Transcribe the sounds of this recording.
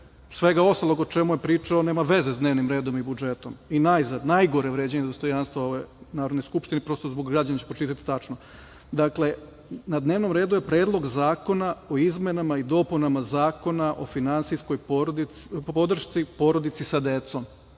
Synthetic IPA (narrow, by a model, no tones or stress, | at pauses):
sʋeɡao̞st̪alˠoɡod̪̚t͡ʃemujepɾiːt͡ʃaone̞ːmaʋe̞zesd̪neʋnimɾe̞ːd̪o̞mibud͡ʒe̞t̪o̞minajizad̪najɡo̞ɾeʋɾed͡ʑeɲed̪ost̪o̞janst̪ʋaoʋenaːɾod̪nojskupʃt̪inipɾo̞st̪ozboɡɡɾad͡ʑanat͡ɕepɾot͡ʃit̪at̪i̥t̪at͡ʃno | d̪akle̞ | nad̪ne̞ːʋno̞mɾeːd̪uje̞pɾeːd̪lˠo̞ɡzaːko̞naoizmenamaid̪o̞punamazaːko̞naʔo̞̰finansijsko̞jpoɾd̪po̞d̪r̩ʃt̪sipo̞ɾo̞d̪it̪sisad̪et̪som